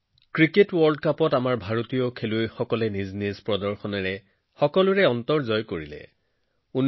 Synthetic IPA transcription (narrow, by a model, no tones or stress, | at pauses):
kɹiketwɔɹld̚kapɔtamaɹbʱaɹotijɔkʰelujxɔkɔlɛniznizpɹɔdɔɹxɔnɛɹɛ | xɔkɔlʊɹɛɔntɔɹzɔjkoɹilɛ̰ | un